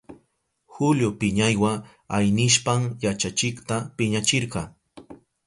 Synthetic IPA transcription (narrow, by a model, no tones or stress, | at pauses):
xʊljopɪɲajwa | ajnɪʃpaŋjat͡ʃat͡ʃɪkt̪apɪɲat͡ʃɪɾqɑ